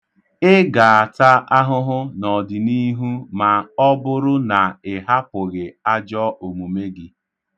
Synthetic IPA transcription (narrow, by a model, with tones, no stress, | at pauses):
ɪ˦ɡa˨a˨ta˦a˦ɦʊ˦ɦʊ˦nɔ˨dɪ˨ni˦ɦu˦ma˨ɔ˦bʊ˦ɾʊ˦na˨ɪ˨ɦa˦pʊ˨ɣɪ˨a˦d͡ʒɔ˦o˨mu˨me˦ɡɪ˦